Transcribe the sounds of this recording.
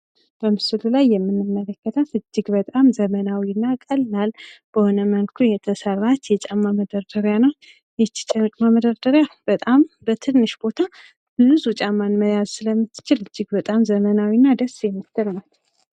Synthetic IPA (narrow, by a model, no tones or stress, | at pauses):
b̥əmɨsɨlulajːɛmːɨnːɨmːələkːət̪ʰət̪ɨd͡ʒːɪɡbət̪ʼamzəmənawiɨnːakʼəlːalb̥əhonəmənkʰujɛt̪ʰəsəɾat̪jɛt͡ʃʼamːaməd̪əɾd̪əɾjanəw | jɛt͡ʃːt͡ʃʼat͡ʃʼmaməd̪əɾd̪əɾjab̥ət̪ʼambət̪ʰɨnːɨʃbo̞t̪ʰa | ɨnːɨzut͡ʃʼamːanməjazsɨləmːɨt̪ːɨ̥t͡ʃɪlɨd͡ʒːɪɡbət̪ʼamzəmənawinːad̪əsjɛmːit̪ːəɾmat̪